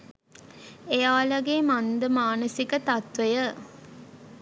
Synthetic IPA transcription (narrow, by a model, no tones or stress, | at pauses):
ejaːlɐɡeːmand̪əmaːnəsikət̪at̪ʋejə